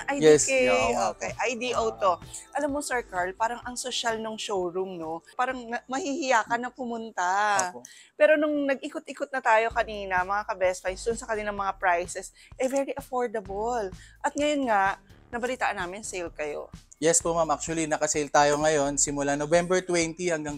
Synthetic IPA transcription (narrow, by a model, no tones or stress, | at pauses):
ʔajɛskɛokɛjʔajd̪iʔowt̪oʔɐlamːosɛɹkaɹlpaːɾɐŋʔɐŋsoʃalnoŋʃowɹumno̞paːɾɐŋɐmɐhihɪjaːkɐnɐpʊmʊnt̪a | pɛːɾo̞nʊŋnɐɡ̚ʔɪkot̪ʔɪkot̪̚nɐt̪aːjo̞kɐniːnɐmɐŋakɐbɛspajnsd̪ʊnsɐkɐnɪlɐŋmɐŋapɹajsɛs | ʔɛvɛɹiʔɐfoɹd̪ɐbolʔɐt̪̚ŋɐjonŋaʔnɐbɐlit̪a̰ːʔɐnːaːmɪnsejlkɐjo̞̰jɛspomamak̚t͡ʃuɐlinɐkɐsejlt̪aːjo̞ŋɐjo̞nsɪmʊlanovɛmbɛɹt̪wɛnt̪ihɐŋɡaŋ